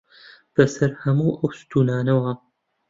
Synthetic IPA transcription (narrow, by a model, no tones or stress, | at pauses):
b̥ɐsɐɾhɐmuːʔɐwst̪ʰuːnaːnɐwɐ